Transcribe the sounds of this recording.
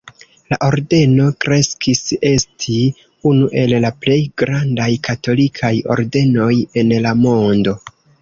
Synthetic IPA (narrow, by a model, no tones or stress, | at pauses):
la̰ʔo̞ɾde̞no̞kɾe̞skise̞stʰi | unuʔe̞llaple̞jɡɾandajkato̞likʰajo̞̰ɾde̞no̞je̞nlamo̞ndo̞